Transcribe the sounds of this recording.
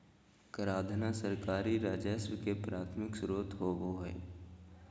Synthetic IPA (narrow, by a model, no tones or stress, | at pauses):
kəɾaːd̪ʱnasəɾkaːɾiɾaːd͡ʒəswkepɾaːt̪ʰmɪksɾoːt̪ɦoʋoɦḛː